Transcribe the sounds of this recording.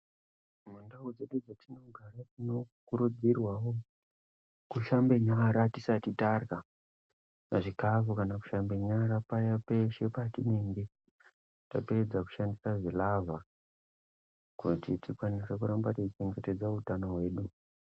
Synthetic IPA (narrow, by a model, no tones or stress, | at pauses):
mandaud͡ze̞ɗud͡zatino̞ɡʱaɾatino̞kuɾud͡zirwawo | kuʃambe̞ɲaɾatisatitarka | naʐikavukanaku̥ʃambe̞ɲaɾapajapeʃe̞patiniːŋɡi | taped͡zaku̥ʃandisaʐilavʱa | kutitikwanesekuɾambatet͡ʃit͡ʃe̞ŋɡe̞te̞d͡zautanowe̞ːɗu